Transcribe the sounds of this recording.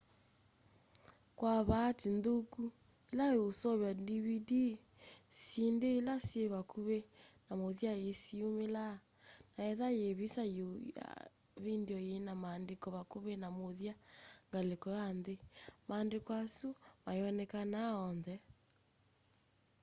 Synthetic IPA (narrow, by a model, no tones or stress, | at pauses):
kwaβatindoku | elajeosɔβjadiβidi | sindeːlasjeβakuβenamoðjaesiomela | naɛðajeβisajoa̰ | βendjɔjenamaːndekɔβakoβenamoðjaŋɡalekɔjanðemaːndekwasumajɔnɛkanaɔnðɛ